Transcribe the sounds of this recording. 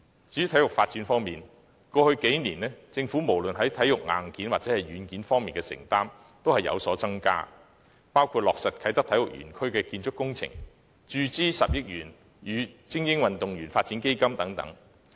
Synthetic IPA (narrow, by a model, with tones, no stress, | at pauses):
t͡si˨˦˥t̪ʰɐ˨˥jʊ˨kfaː˧t̚t͡siː˨˥nfɔː˥ŋmiː˨˩n | kɔː˧hɵ˧ɥke˨˥jniː˨˩nɛː˥t͡sɪ˧ŋfuː˨˥mo˨˩wlɵ˨nɦɐ˨˥jt̪ʰɐ˨˥jʊ˨k̚ŋa̰ː˨nkiː˨˥nwaː˨t̚t͡sɛː˨˥hɐ˨jɥyː˨˧nkiː˨˥nfɔː˥ŋmiː˨nkɛː˧sɪ̰˨˩ŋt̪aː˥m | t̪o˥whɐ˨jɐ̰˨˧wsɔː˨˥t͡sɐ˥ŋka̰ː˥ | paː˥wkʰuː˧t̚lɔː˨k̚sɐ˨t̚kʰɐ˨˥jt̪ɐ˥k̚t̪ʰɐ˨˥jʊ˨k̚ɥy̰ː˨˩nkʰɵ˥ɥkɛː˧kiː˧nt͡ʃʰʊ˥kːʊ˥ŋt͡sʰɪ̰˨˩ŋ | t͡ʃyː˨˧t͡siː˥sɐ˨p̚jɪ˥k̚jyː˨˩n | jyː˨˧t͡sɪ˥ŋjɪ˥ŋwɐ˨nt̪ʊ˨ŋɥyː˨˩nfaː˧t̚t͡siː˨˥nke˥jkɐ˥mt̪ɐ˨˥ŋt̪ɐ̰˨˥ŋ